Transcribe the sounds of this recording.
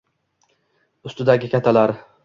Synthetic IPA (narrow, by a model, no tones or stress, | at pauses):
ʊst̪ɪd̪aɡʲɪkʲʰat̪ʰalaɾ